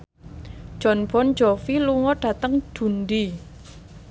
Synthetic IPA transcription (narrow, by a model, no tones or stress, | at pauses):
ʒ̥ɔ̤nb̥ɔn̥d͡ʒɔfiluŋɔɖ̥ä̤t̪əŋd̥ṳnɖi